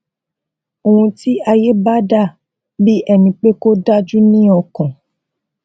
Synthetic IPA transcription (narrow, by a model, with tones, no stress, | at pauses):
o˧˨hũ˧ti˦a˧je˦ba˦da˦˨ | bi˦ɛ˦nĩ˧k͡pe˦ko˦da˦d͡ʒu˦nĩ˦ɔ˧kɔ̃˨